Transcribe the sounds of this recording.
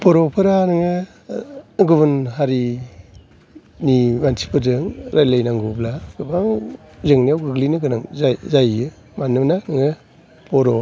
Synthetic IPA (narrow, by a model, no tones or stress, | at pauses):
pʰɔɾɔpʰɯɾanɯŋɯ | ɡubɯnɦaɾi | nimansʰipʰɯdɯŋɾajlajnaŋɡublaɡɯba | zɯŋnijawɡɯɡlinɯɡɯnaŋzzajɯ | manɯnanɯŋɯ | pʰɔɾɔ